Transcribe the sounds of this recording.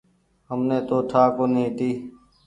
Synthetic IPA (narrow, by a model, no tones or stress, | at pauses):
ɦəmneːt̪oːʈʰaːkoːnĩːt̪iː